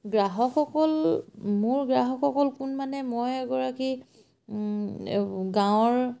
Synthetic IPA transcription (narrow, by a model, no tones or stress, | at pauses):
ɡɹaɦɔkxɔkɔlmʊɹɡɹaɦɔkʰxɔkɔlkʊnmanɛmɔjɛɡɔɹaki | ɡãw̃ɔɹ